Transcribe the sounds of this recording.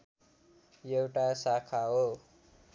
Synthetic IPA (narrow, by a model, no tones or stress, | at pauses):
jewʈasakʰaɦo